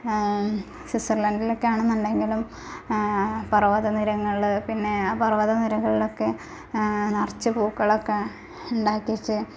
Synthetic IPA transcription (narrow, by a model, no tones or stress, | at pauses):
sisɐrlɐndilokːeaːɳɨmɐnɖeŋɡilum | pɐrɐʋɐðɐniɾɐŋːɐɭɭpinːe̞aːpɐrɐʋɐðɐniɾɐɣɐɭilo̞kːe̞ | nɐrt͡ɕːɨpuːkːɐɭokːe | uɳɖaːkʲːit͡ɕːɨ